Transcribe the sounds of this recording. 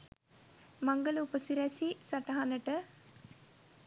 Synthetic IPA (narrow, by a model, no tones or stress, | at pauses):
maŋɡəluːpəsiɾɛsisaʈɐɦanəʈə